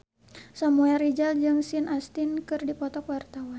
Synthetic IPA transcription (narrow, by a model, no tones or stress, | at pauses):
samuɛɾid͡ʒald͡ʒɨŋsinʔast̪inkɨrdipɔt̪ɔkwart̪awan